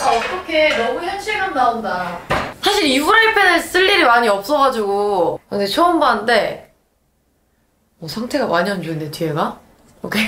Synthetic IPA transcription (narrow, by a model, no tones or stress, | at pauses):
aʌt͈ʌkʰe̞nʌmuçjʌnɕʰiɡannaundasʰaɕʰiɾibuɾaɭipʰenɯs͈ɯʎːiɾimaɲiʌp̚s͈ʌɣad͡ʑiɡukɯndet͡ɕʰoombannde̞ | ʌsʰaŋtʰe̞ɡawaɲʌnd͡ʑuɯndet͡ɕʰieɡa | okʰe̞